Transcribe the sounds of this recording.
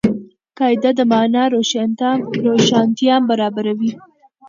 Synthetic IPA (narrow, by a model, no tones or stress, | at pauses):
kɑjd̪ad̪əmɑnɑɾoʃɾoʃɑnt̪jɑmbaɾɑbaɾawi